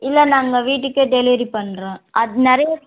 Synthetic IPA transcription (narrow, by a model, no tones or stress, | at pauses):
ɪlːɐnaːŋɡɐʋiːʈ̬ːɯkːɯɖɛliʋɾipɐɳːɾẽːʔɐðɯnɛɾɐjɐ